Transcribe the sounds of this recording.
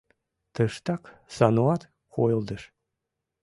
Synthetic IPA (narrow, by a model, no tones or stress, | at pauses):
t̪əʃt̪ɑksɑnuɑt̪ | kojəlˠd̪əʃ